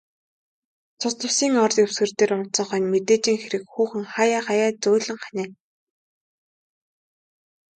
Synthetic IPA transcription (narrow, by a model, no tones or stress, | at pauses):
t͡sʰʊsɮʊ̆wsiːŋɔrt̪jew̥sɡɘ̆r̥t̪eːrʊn̥t͡sɞ̆ɴχœːnmet̪eːt͡ɕiːŋxeɾɘ̆kxuːxɘ̆ŋχajaːχajaːt͡sʊːɮɘ̆ŋχanʲeː